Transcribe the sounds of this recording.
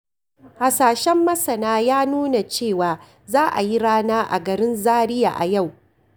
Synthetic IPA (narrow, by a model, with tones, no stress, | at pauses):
ha˨saː˨ʃɛ˦mːɐ˦sɐ˨naː˦jaː˦nuː˦na˨t͡ʃeː˦˨waː˨ | zaː˦ʔa̰˨ji˦ɽaː˦naː˦ʔa̰˨ɡɐ˨ɾɪ˦nzaː˦ɽɪ˦ja̰ː˨ʔa̰˨ja˦˨w